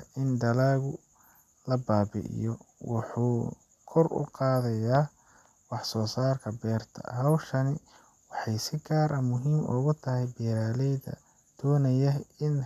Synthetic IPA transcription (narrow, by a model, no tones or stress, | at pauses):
ʔɪnɖ̪ɐlaːɣʊ | lɐbaːbɪ̰ʔɪ̰jɔwʊ̰ħuː | kʰɔrʊ̰qɑːðɐjaː | wɑħsɔːsaːrkʰɐbɛːrt̪ʰɐ̰hɐwʃɐnɪ | wɑħɑjsɪɡaːɾɐmʊɦiːmʊ̰ɣʊt̪ʰɐɦɛjbɛːɾaːlɛjðɐ̰ | d̪̥ɔːnɐjɐɪn